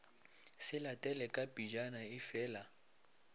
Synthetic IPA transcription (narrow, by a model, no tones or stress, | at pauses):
sɪlatʼɛlɛkʼabʼid͡ʒanaɪfɛːla